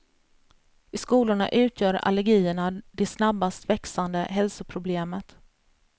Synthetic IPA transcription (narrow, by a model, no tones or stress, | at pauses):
ɪskuːlʊɳa̰ʔʉ̟ːt̪ʰjœːɾa̰lɛɾɡiːəɳad̪ɛsnabːast̪vɛksand̪əɦɛlsʊpʰɾʊbleːmət̪